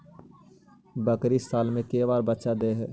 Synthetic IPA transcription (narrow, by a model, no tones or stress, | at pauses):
bəkɾisaːlmẽkeːʋaːɾbətːʃad̪eːɦɛː